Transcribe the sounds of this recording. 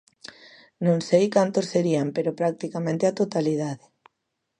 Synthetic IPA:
nõŋsejkant̪ossːeɾiampeɾopɾak̚t̪ikamẽnt̪eat̪ot̪alið̞aðɪ

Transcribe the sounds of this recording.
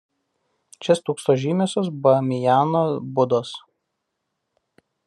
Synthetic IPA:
t͡ʃʲɛst̪uːkst̪oːʒʲiːmʲeːsʲoːs̬bɐmʲɪjaːnoːbʊd̪oːs

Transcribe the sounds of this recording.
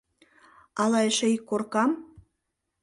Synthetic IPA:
ɑlɑeʃĕikːorkɑm

